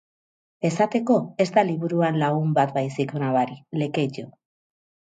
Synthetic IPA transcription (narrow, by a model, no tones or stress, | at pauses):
e̞sat̪e̞ko̞e̞zt̪aliβuɾuanlaɣumbat̪bajsikonaβaɾile̞ke̞ʎo